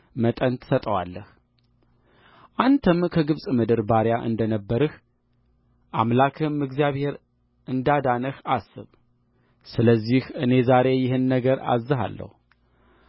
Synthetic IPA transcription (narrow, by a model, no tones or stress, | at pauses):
mət̪ʼənt̪ʰɨ̥sət̪ʼəwa̰lːəh | ʔant̪ʰəmkʰəɡɨβsʼmɨd̪ɨɾbaɾjaʔɨ̰nd̪ənəbːəɾɨh | ʔa̰mlakʰɨmɨɡzijaβhe̞ɾ | ʔɨnd̪ad̪anəhasːɨβ | sɨləzːihɨne̞zaɾe̞jɪhɨnːəɡəɾa̰zɨɦa̰lːə̰hu